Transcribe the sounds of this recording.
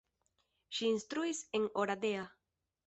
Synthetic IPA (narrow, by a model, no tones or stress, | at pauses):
ʃiːnst̪ɾuiseŋoɾad̪ea